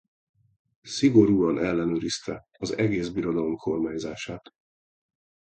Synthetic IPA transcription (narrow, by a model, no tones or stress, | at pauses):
siɡo̞ɾuːɒnʔɛlːɛnøːɾist̪ɛ | ɒzɛɡeːzbiɾo̞d̪ɒlo̞mkʰo̞rmaːɲzaːʃaːt̪